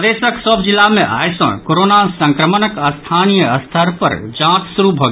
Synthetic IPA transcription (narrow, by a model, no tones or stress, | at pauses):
d̪esəksəbd͡ʒilːamẽʔa̰jsə̰̃koɾonasə̃ŋkɾəmənəkəst̪ʰanijəəst̪ʰəɾpə̰ɾd͡ʒãt͡ʃsuɾubʱoɡ